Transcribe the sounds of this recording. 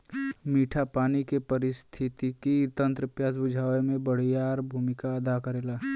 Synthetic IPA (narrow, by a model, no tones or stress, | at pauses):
miːʈʰapaːnikepəɾɪst̪ʰɪt̪ikit̪ə̃nt̪ɾəpjaːsbʊd͡ʒʱaːʋemẽbəɽ̤ijaːɾbʱumɪkaəd̪akəɾeːla